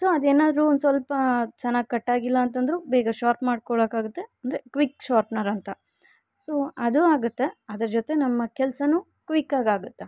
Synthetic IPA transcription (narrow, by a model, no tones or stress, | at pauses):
soːɐd̪eːnaːd̪ɾund̪sʋɐlpɐt͡ʃɐnːaːɡ̚kɐʈːaːɡilːɐːnt̪̬ɐnd̪ɾubɛːɡɐʃaːɾʈmaːɖ̚kɔɭɐkaːɡut̪ːe̞ɐnd̪ɾe̞kʋikʃaːɾʈnɐɾɐnt̪ɐ | soːɐd̪uaːɡut̪ːe̞ɐd̪ɐɾɐd͡ʒot̪enɐmːɐkɛlsɐnuː | kʋikːaːɡaːɡut̪ːe